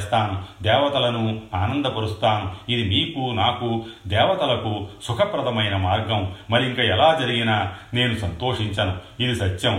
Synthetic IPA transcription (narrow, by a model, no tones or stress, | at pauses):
st̪aːnud̪ɛːʋɐt̪ɐlɐnuaːnɐnd̪ɐpɐɾust̪aːnuid̪imiːkunaːkud̪ɛːʋɐt̪ɐlɐkusukʰɐpɾɐt̪ɐmɐjnɐmaːɾɡɐmmɐɾiiŋkɐɛlaːd͡ʒɐɾiɡinaːne̞ːnusɐnt̪o̞ːʂiɲt͡ʃɐnuid̪isɐt̪ːjɐm